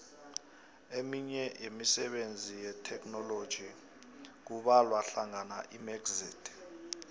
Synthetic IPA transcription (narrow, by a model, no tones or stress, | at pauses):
emiɲɛjemisɛɓend͡zʱijɛtʰɛkʼnɔlod̥ʒ̥ʱi | k̬uɓalwaɬaŋana̰ʔimɛɡziːtʰ